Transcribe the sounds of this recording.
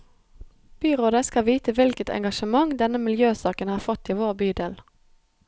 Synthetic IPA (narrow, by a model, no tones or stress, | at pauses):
b̥yːʁoːd̪əskɑʋiːt̪əʋɪlkət̪ʰɛ̰ŋɡɑʃəmɑŋd̪ɛnəmɪljøːsɑːkənhɑːfɔt̪ːiːʋoːʁbyːd̪eːl